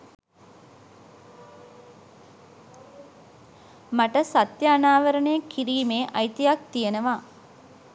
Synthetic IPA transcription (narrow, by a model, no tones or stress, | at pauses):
maʈəsat̪jaːnaːʋəɾənejəkʰiɾiːmeːʔajt̪ijak̚t̪ijənəʋa